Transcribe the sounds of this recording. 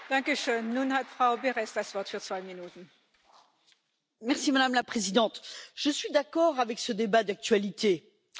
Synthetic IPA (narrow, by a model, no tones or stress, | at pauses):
d̥ãŋkəʃøːnːunhatfʁaʊbeʁɛsd̥asvɔʁtfyːʁt͡sv̥aɪminuːtn̩ | mɛʁsimad̪amlapχezid̪ɑ̃t̪ʒ̥əsɥid̪akɔʁavɛksəd̪ebad̪ak̚t̪ɥalit̪e